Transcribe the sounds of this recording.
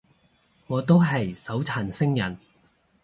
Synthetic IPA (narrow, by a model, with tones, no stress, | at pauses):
ŋɔː˨˧t̪o˥wɦɐ˨jsɐ˨˥wt͡sʰaː˨˩nsɪ˥ŋjɐ˨˩n